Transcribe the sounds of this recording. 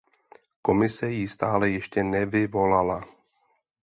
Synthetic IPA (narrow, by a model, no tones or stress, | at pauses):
ko̞mɪsɛjist̪aːlɛjɛʃcɛnɛvɪvo̞lala